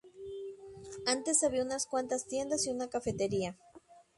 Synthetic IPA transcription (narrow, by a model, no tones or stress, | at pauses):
ant̪esaβiaunaskwant̪ast̪je̞nd̪asiunakafe̞t̪eɾia